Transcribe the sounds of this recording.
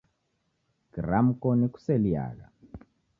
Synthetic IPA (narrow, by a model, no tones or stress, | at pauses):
kiram̩kɔniku̥sɛlia̰ːɣa